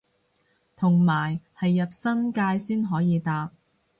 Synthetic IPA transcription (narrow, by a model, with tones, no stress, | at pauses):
t̪ʰʊ˨˩ŋmaː˨˩jhɐ˨jːɐ˨p̚sɐ˥nkaː˧jsiː˥nɦɔː˨˥jiː˨˧t̪aː˨p̚